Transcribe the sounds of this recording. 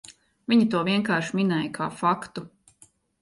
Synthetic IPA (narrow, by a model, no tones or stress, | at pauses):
viɲit̪uɔviɛŋkaːɾʃminɛjəkʰa̰ːfakt̪u